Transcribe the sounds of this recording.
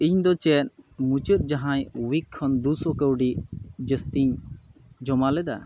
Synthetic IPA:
iɲd̪ɔt͡ʃɛnmut͡ʃəɾ̚d͡ʒaɦãjwikʰːɔnd̪usɔkəwɖid͡ʒəst̪iɲ | d͡ʒɔmalɛd̪a̰

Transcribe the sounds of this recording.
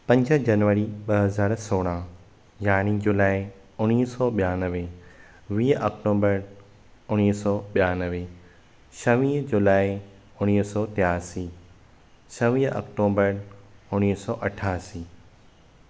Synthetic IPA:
pɐ̃ɲd͡ʑə̆d͡ʑɐnʋəɾiɓɐɦɐzaːɾsoːɽ̃ã | jaːnid͡ʑʊlaːi | ʊñiːsɔɓijaːnəʋe | ʋiːɔkʈoːbəɾ | ʊñiːsɔːɓijaːnəʋe | ʃɐʋĩːɦd͡ʑulaːi | ʊɽ̃isɔːt̪ɪjaːsiː | sɐʋĩːɦʔɐ̰kʈoːbəɾʊniːsɔːʔɐʈʰaːsiː

